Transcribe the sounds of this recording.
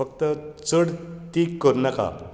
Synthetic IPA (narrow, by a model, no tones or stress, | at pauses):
əkt̪ət͡səɽt̪ikːəɾnaka̰